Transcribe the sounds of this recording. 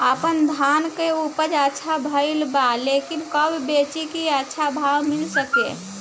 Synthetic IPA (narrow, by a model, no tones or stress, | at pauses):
əpənd̪ʱankeupəd͡ʒətːʃʰabʱəɪlbalekinkəbbet͡ʃikiətːʃʰabʱawmilsəkḛ